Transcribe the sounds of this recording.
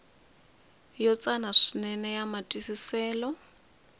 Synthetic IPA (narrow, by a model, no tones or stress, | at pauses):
jɔt͡sʼanaʂinɛnɛjamatʼisisɛːlɔ